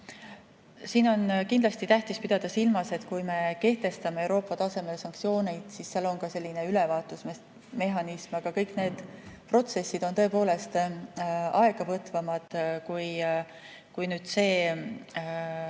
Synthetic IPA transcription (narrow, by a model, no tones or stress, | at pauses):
siːno̞nkind̪lɑst̪it̪æht̪ispid̪̥ɑd̪̥ɑsilmɑse̞t̪kujme̞ke̞ht̪e̞st̪ɑme̞ewɾo̞ːpːˑɑt̪ɑse̞me̞lsɑŋkt̪sio̞ːnejd̪̥sisseɑlonkɑse̞lːineylevɑːt̪ːˑusm | me̞ɦɑnismɑɡ̥ɑkɤjkne̞ːd̪̥pro̞t̪se̞sːid̪̥o̞nt̪ɤ̞epo̞ːle̞st̪ | ɑe̞ɡ̥ɑvɤt̪vɑmɑd̪̥kuj | kujnyːd̪̥se̞ː